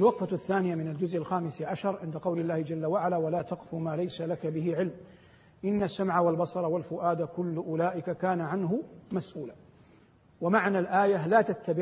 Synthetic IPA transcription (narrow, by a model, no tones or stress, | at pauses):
ʔalwɑqfaθːaːnɪjamɪnald͡ʒʊzʔalxaːmɪsʕaʃɑɾˤʕɪnd̪aqɑwlɪlːaːhɪd͡ʒalːawaʕalawalaːt̪ɑqfumaːlajsalakabɪɦɪʕɪlm | ʔɪnːasːamʕawalbɑsˤɑɾˤɑwalfʊʔaːd̪akʊlːʔʊlaːʔɪkakaːnaʕanɦʊmasʔuːla | wamaʕnalʔaːjalaːt̪at̪ːabɪ